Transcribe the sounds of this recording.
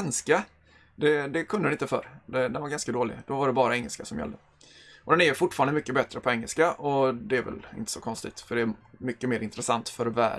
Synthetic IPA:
nska | d̪ɛd̪ɛkʰɵnd̪ədɛnɪnt̪əfœ̰ɾd̪ɛd̪ɛnvaɾɡanskad̪oːlɪ̰d̪ɔvaɖɛbɑːɾaɛŋːə̰lskasɔmjɛ̰ld̪ə | ʔɔd̪ɛnɛjfʊʈːfɑːɾand̪əmʏkːəbɛt̪ːɾəpʰɔɛŋːəlskaʔɔd̪ɛæɾvɛ̰lɪ̰nt̪ə̥sɔkʰɔnst̪ɪ̰ɡ̚t̪fœɖɛæmʏkːəmeːɾɪnt̪ɾɛsant̪fœɾvæ̰ː

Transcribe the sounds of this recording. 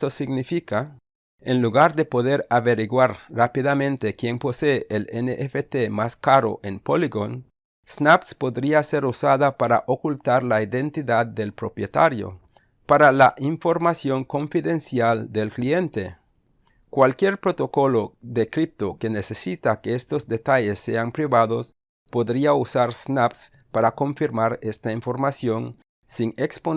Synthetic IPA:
t̪osiɡnifika | enluɣaɾðepo̞ðeɾaβeɾiɣwaɾrapiðamẽnt̪ekje̞ŋpo̞seːʔeleneʔefet̪emaskaɾo̰ʔenpoliɣon | snapspo̞ðɾiase̞ɾusaðapaɾa̰ʔokult̪aɾlaiðe̞nt̪iðad̪ːe̞lpɾo̞pjet̪aɾjo̰ | paɾalaʔiɱfo̞ɾmasjo̞ŋko̞ɱfiðe̞nsjald̪elklie̞nt̪e | kwalkjeɾpɾo̞t̪o̞ko̞lo̞ðekɾip̚t̪oke̞nesesit̪akeest̪o̞zd̪e̞t̪aʝesːe̞̰ampɾiβaðo̞s | po̞ðɾiausaɾsnaps | paɾako̞ɱfiɾmaɾe̞st̪aiɱfo̞ɾmasjo̞n | siŋekspo

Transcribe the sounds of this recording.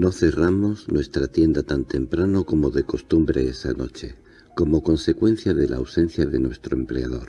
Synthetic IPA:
no̞θe̞ramo̞znwe̞st̪ɾat̪je̞nd̪at̪ant̪e̞mpɾanoko̞moðe̞ko̞st̪umbɾe̞esa̰no̞̰t͡ʃe̞ | ko̞mo̞ko̞nse̞kwe̞n̟θjaðe̞la̰ːwse̞n̟θjaðe̞nwe̞st̪ɾoe̞mpleaðo̞ɾ

